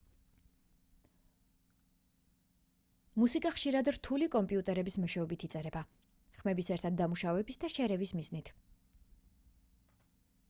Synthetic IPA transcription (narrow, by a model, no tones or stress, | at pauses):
musikʼaχʃiɾad̪ɾt̪ʰulikʼɔmpʼiut̪ʼɛɾɛbismɔʃɛɔbit̪ʰit̪sʼɛɾɛba | χmɛbisɛɾt̪ʰad̪̚ːamuʃavɛbisd̪aʃɛɾɛvismiznit̪ʰ